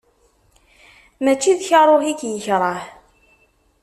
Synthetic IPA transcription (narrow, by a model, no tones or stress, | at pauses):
mæt͡ʃːiðçɑɾˤoħikjəçɾˤɑħ